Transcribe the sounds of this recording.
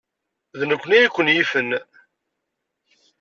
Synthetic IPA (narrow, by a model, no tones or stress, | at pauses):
ðnəkʷːənijikʷːənjifən